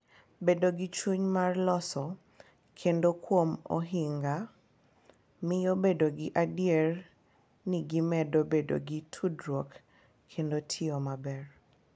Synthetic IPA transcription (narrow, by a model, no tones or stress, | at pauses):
bedoɡit͡ʃuɲmarlɔsɔ | kʰendokwomo̰ɦiŋɡa | mɪjobedoɡɪʔadjer | niɡimɛdobedo̰ɡitʰudɾwok | kʰːendotʰɪɔmabɛr